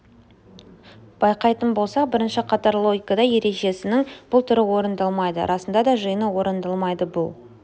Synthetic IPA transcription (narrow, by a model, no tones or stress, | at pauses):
b̥ɑjqɑjt̪ənbo̞lˠsɑbɪɾɪnʃɪqʰɑt̪ɑɾlˠo̞ɡʲikɑd̪ɑje̞ɾe̞ʒe̞sɪnɪŋb̥ʊlˠt̪ʰʏɾɪwo̞ɾənd̪ɑlˠmɑjd̪ə̰ɾʔɑsənd̪ɑd̪ɑʒəjənəwo̞ɾənd̪ɑlˠmɑjd̪əbʊlˠ